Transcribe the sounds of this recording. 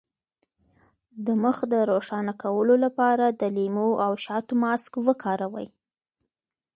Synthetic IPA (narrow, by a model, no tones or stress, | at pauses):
d̪əməxd̪əɾoʂɑnakawəlolapɑɾad̪əlimoʔawʃɑt̪omɑskwəkʰɑɾawə̰j